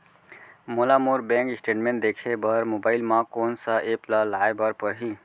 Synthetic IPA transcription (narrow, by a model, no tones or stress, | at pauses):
moːlaːmuːɾbẽːŋkɪsʈeːʈmẽːɳʈ̚d̪eːkʰebəɾmoːbaːɪlmãkoːnsaʔeːplaːlaːebəɾpəɾɦiː